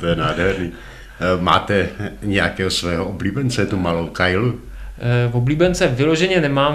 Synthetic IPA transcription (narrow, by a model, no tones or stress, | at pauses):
t̪ojɛnaːdɦɛɾniː | ma̰ːt̪ɛɲɛjakɛːɦosvɛːɦoʔobliːbɛnt͡sɛt̪umalowkajlu | vobliːbɛnt͡sɛvɪloʒɛɲɛnɛmaː